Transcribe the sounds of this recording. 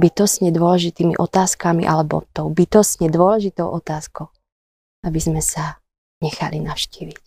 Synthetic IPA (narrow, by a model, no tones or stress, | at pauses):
bit̪ɔsɲɛd̪ʊɔlɛʒit̪iːmḭʔɔt̪aːskamḭʔalɛbɔ̰t̪ɔʊbit̪ɔsɲɛd̪ʊɔlɛʒit̪ɔʊʔɔt̪aːskɔʊ | abizmɛsa | ɲɛxa̰linaʊʃciːʋic